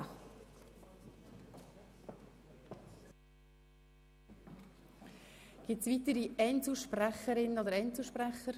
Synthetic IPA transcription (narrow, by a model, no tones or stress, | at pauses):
ɡ̥ɪtsvit̪əɾiɛɪnt͡suʃpræχəɾɪnod̪əɾɛɪnt͡suʃpræχəɾ